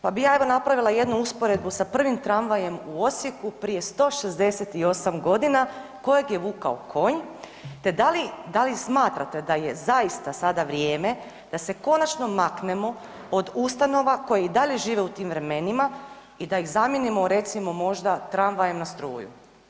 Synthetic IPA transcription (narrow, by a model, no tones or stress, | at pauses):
pabijae̞ʋo̞napɾaʋilˠaje̞d̪nuuspo̞ɾe̞d̪̚busapr̩ʋimt̪ɾanʋaje̞muo̞t̪sje̞kupɾije̞st̪o̞ːʃezd̪e̞se̞t̪io̞samɡo̞d̪inako̞jeɡje̞ʋuːkaokʰo̞ɲ | t̪e̞d̪alid̪alismaːt̪ɾa̰t̪e̞d̪aje̞zajist̪asad̪aʋɾje̞ːme̞ | d̪̥ase̞ko̞nat͡ʃno̞makne̞mo̞ | od̪ust̪ano̞ʋako̞jeid̪aʎe̞ʒiːʋe̞ut̪iːmʋɾe̞me̞nima | id̪aiɣzamjenimo̞ɾe̞t̪simo̞mo̞ʒd̪at̪ɾanʋajemnast̪ɾṵːjṵ